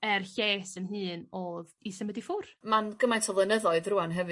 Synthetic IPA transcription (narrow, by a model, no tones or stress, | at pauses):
ɛrɬeːsənɦɨːnoːðisəmədifʊrmanɡəmajntʰɔvlˠənəðɔɨðruanɦɛvɨ